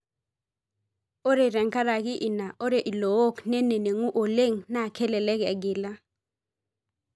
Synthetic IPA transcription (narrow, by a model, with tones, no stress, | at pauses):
o˦ɾe˨ɾɛ˨ŋka˦ɾa˨kɪ˦ʔɪ˨na˨ʔo˦ɾe˨ʔi˨lo˨o˦knɛ˦ne˨ne˨ŋu˦ʔo˨le˦ŋna˦˨kʰɛ˦lɛ˨lɛ˦kɛ̰˨ɡɪ˨la˦